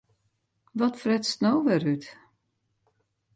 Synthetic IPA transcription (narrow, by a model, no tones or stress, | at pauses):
ʋɔtfrɛtstnoːʋɛryt